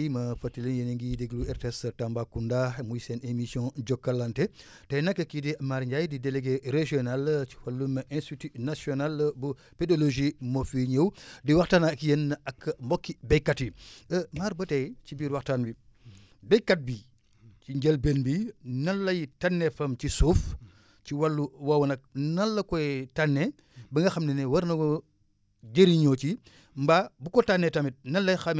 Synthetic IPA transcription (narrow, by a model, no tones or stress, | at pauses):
mɐfɐtːilinjeniŋɡideɡluɛɾtestambakundamujsɛnemisjɔ̃d͡ʒɔkːɐlante | tɐjnɐkːekidimaɾɲɟajdideleɡeɾeʒionalt͡ʃi̥fɐlːumʔɛ̃nstitinasjonalbu | pedoloʒimofiɲewdiwaxtaːnakjenːɐkːmbɔkːibejkːatimaːɾbɐtɛcibiːɾwɐxtaːnbi | bɛjkːat̚bi | ciɲɟelbenbinɐlːɐjitanːɛfɐmcisuːf | ciwalːuwawɐnɐk̚nɐlːɐkɔɛtanːe | bɐŋɡɐxɐmnɛnɛwɐɾnɐɡo | ɡeɾiɲoːt͡ʃi | mbabukɔtanːɛtɐmit̚nɐlːɐjxɐm